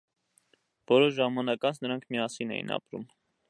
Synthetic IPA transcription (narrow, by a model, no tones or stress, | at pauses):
b̥ɔɾɔɾʒɑmɑnɑkɑnt͡sʰnəɾɑŋkʰmiɑsinɛ̰jḭnɑ̰pɾṵm